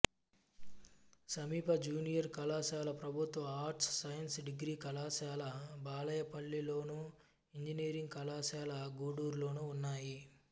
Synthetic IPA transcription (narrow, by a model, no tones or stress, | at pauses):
sɐmiːpɐd͡ʒuːnijɐɾkɐlaːʃaːlɐpɾɐbʱut̪ʋɐaːɾʈsːɐjɐnsɖiɡɾiːkɐlaːʃaːlɐbaːlɐjɐpɐɭːiloːnu | iɲd͡ʒiniːɾiŋɡkɐlaːʃaːlɐɡuːɽuːɾlo̞ːnuːnːaːji